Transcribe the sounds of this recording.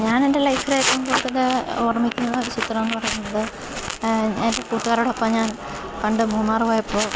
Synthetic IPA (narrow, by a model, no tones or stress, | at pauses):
ɲaːnende̞lɐjkrejekːɐmkoːɽut̪ːɐleorɐmikʲːunːɐðɨaːʋɐɕjɐt̪ːɐɽɐmːenːɨpɐrɐjuunːɐðɨ | endekuːʈːuɣaːɾoɽɐpːoːmɲaːn | pɐɳɖɨmuːmaːrɨʋoːjɐpːoː